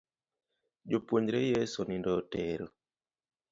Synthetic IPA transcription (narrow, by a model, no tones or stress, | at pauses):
d͡ʒopwoɲɾejesonindɔteɾo